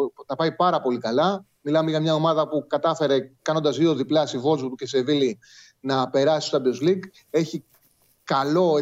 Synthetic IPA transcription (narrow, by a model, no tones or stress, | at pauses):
t̪ɐpɐipɐɾɐpo̞likɐlɐ | milɐmeʝɐmɲɐo̞mɐðɐpukɐt̪ɐfe̞ɾe̞kɐno̞nd̪ɐzðio̞ðiplɐst̪ivo̞lzut̪ucese̞vili | nɐpe̞ɾɐsisot̪ɐb̪ozliɡ | e̞çi | kɐlo̞